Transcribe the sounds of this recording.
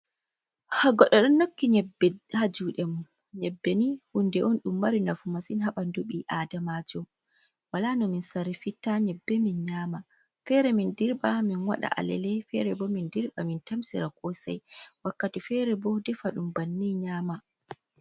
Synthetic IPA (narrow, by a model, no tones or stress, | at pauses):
haɡɔɗɔɗɔnːokːiɲɛbɛhad͡ʒuɗɛmu | ɲɛbːenihundɛʔɔnɗumːaɾinafumasinɦaɓanduɓiʔadamad͡ʒɔ | walanɔminsaɾifitaɲɛbːɛminɲaːma | fɛɾɛmindiɾɓaminwa̰ɗa̰ʔa̰lɛ̰lɛfɛɾɛbɔmindiɾɓamintamsḭɾakʰɔsa̰jwakːatifɛɾɛbɔdɛfaɗumbanːiɲaːma